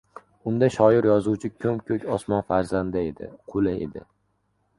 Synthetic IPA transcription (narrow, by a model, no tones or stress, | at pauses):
ʊnd̪aʃɒɪɾjɒzuwt͡ʃʰɪkʲʰɵmkʲʰɵkʲɒsmɒnfaɾzand̪aed̪ɪ̰qʰolɪḛd̪ɪ̰